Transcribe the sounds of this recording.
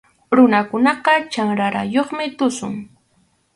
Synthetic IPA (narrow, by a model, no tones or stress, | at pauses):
ɾʊnakʊnɑqɑt͡ʃaŋɾaɾa̰joχmɪt̪ʊsʊ̰ŋ